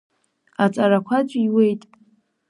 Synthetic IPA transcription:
at͡sʼaɾakʷʰat͡ʃʷʼiwejtʼ

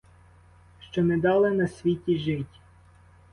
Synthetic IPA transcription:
ʃt͡ʃɔnɛd̪ɑlˠenɐsʲʋʲitʲiʒɪtʲ

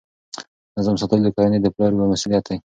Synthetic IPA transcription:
nazɑmsɑt̪əld̪əkɑjaned̪əplɑɾwəmasulijat̪aj

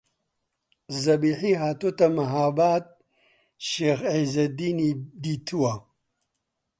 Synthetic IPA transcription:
zɐbiːħiːɦaːt̪ot̪ɐmɐɦaːbaːt̪̚ | ʃeːxezɐd̪iːnid̪iːt̪ʰuwɐ

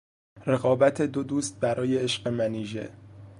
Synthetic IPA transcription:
re̞ɣɒːbæt̪ʰe̞d̪od̪uːst̪̚bæɾɒːje̞eʃɢemæniːʒe̞̰

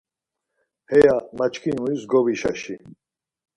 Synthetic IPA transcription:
hɛjamat͡ʃkʰinuisɡɔviʃa̰ʃi

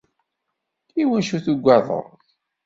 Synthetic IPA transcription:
iwənʃuθuɡʷːɑðˤə̰ɾˤ

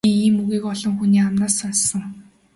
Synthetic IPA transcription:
iːiːmɵɣiːkɔɮɞ̆ŋxuniːamnaːsansə̆ŋ

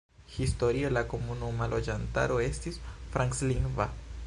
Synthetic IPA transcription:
histo̞ɾialako̞munumalʔod͡ʒanta̰ɾo̞e̞stisfɾʔaŋksliŋva̰

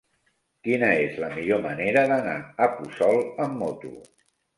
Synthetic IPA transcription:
kinəezləmiʎoməneɾəðənaəpusɔlˠəmːɔt̪ṵ

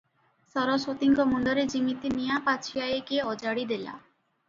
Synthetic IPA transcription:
sɔɾoʃot̪iŋkomɔnd̪ɔɾed͡ʑiŋit̪inijapat͡ʃʰiajekeɔd͡ʑaɽid̪ela̰

